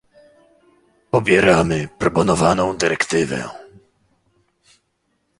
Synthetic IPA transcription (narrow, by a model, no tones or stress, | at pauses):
pɔbʲjɛɾamɘpɾɔpɔnɔvanɔ̃w̃d̪ɘɾʔɛkt̪ɘvɛ̰